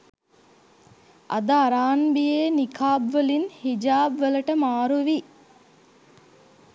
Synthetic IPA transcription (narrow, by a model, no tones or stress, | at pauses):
ʔɐ̰d̪ɐːɾaːnbijeːnikʰaːbʋəlinhid͡ʒaːbʋelɐʈəmaːɾuʋi